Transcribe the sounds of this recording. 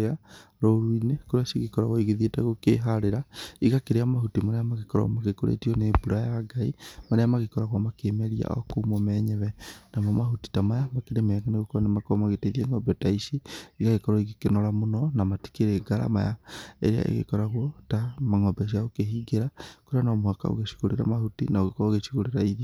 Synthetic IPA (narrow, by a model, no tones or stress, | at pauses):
ea | ɾoɾuinekoɾeasiɣekɔɾaɣwɔiɣeðietaɣokeɦaɾeɾaiɣakeɾeamaɦutimaɾeamaɣekɔɾɔ̰maɣekoɾʔḛtiɔnebuɾajaɡaimaɾeamaɣekɔɾaɣwamakemɛɾia̰ʔɔ̰koumɔmɛɲɛβɛnamɔmaɦuti̥tamajamakeɾemɛŋaneɣokoanemakamaɣeteðieŋɔbɛtaiʃiiɣaɣekɔɾɔiɣekenɔɾamonɔnamati̥keɾeɡaɾa̰ma̰jaḛɾea̰ʔḛɣḛkɔɾaɣwɔtamaŋɔbɛʃ̬aokeɦiɡeɾakoɾeanɔmwaka̰o̰ɣeʃi̥ɣoɾeɾa̰mahutinaoɣekːɣeʃi̥ɣoɾeɾaiði